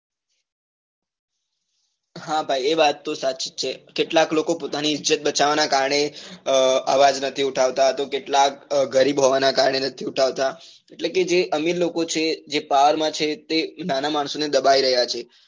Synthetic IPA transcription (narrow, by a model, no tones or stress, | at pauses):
ɦãbʱaieʋat̪ːosaʃi̥t̪̚t͡ʃʰekeʈlaklokopot̪aniɪd͡ʒət̪̚bət͡ʃaʋanakaɾɳe | a̰ʋad͡ʒnət̪ʰiuʈʰaʋt̪at̪okeʈlak̚ɡəɾibɦoʋanakaɾɳenət̪ʰiuʈʰaʋt̪a | eʈleked͡ʒeʔəmiɾlokot͡ʃʰed͡ʒepaʋəɾmãt͡ʃʰet̪enanamaɳsoned̪əbaiɾəɦjat͡ʃʰe